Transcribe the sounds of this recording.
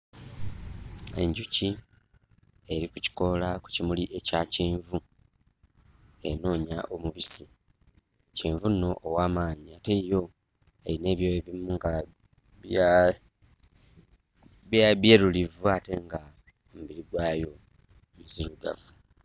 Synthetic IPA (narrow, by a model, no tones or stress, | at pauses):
e̞̰ɲɟuci | eɾikuci̥ko̞laku̥cimuliʔe̞caciːɱvu | e̞̰no̞ːɲaʔo̞muβisi | ciːɱvuno̞ʔːwaːmaːɲiate̞jo̞ | eine̞ːβjoeβimuŋɡa | βja | βjaβje̞ːɾulivuate̞ŋɡa | omuβiɾiɡwaːjo̞ | miziɾuɡa̰vu